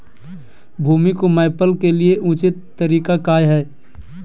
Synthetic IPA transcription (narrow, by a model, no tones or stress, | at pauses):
bʱuːmikomaːpəlkelieʔũːt͡ʃɪt̪ːəɾiːkakaːjɦɛː